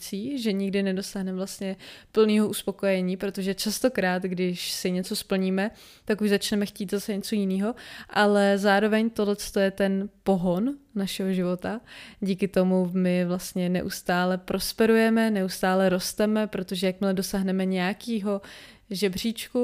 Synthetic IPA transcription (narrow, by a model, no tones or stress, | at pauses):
t͡siːʒɛɲɪɡdɪnɛdo̞saːɦnɛmvlast̪ɲɛpl̩niːɦoʔuspo̞ko̞jɛɲiːpɾo̞t̪o̞ʒɛt͡ʃast̪o̞kɾaːt̪ɡdɪʃsɪɲɛt͡so̞spl̩ɲiːmɛ | t̪akuʒzat͡ʃnɛmɛxciːt̪zasɛɲɛt͡so̞jɪniːɦo̞ʔalɛzaːɾo̞vɛɲt̪odlɛt͡st̪ojɛt̪ɛnpo̞ɦo̞nːaʃɛɦoʒɪvo̞t̪aɟiːkɪt̪o̞mumɪvlast̪ɲɛnɛ̰ʔust̪aːlɛpɾʔo̞spɛɾujɛmɛnɛʔust̪aːlɛɾo̞st̪ɛmɛpɾot̪o̞ʒɛjak̚mɪlɛdo̞saːɦnɛmɛɲɛjakiːɦo̞ | ʒɛbr̝iːt͡ʃku